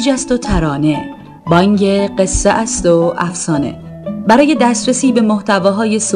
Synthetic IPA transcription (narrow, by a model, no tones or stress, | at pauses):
d͡ʒæst̪ot̪ʰæɾɒːne̞ | bɒːŋɡe̞ɢe̞sːeʔæst̪oʔæfsɒːne̞̰ | bæɾɒːje̞d̪æːst̪ɾesiːbe̞moht̪ʰævɒːɦɒːje̞s